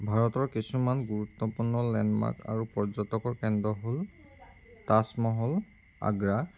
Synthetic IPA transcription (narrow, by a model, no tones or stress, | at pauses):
bʱaɹɔtɔɹkisumanɡuɹutːɔpuɹnɔlɛnma̰ɹka̰ɹupɔɹd͡ʒɔtɔkɔɹkɛndɔɦol | tasmɔɦɔl | a̰ɡɹa